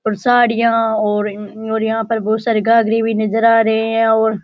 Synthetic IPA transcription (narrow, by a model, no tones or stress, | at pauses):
oːɾsaːɽɪjãːɔːɾoːɾjɐɦãːpəɾboːsəɾɡaːɡɾiːbʱiːnəzəɾaːɾɐɦeɦɛ̃ːoːɾ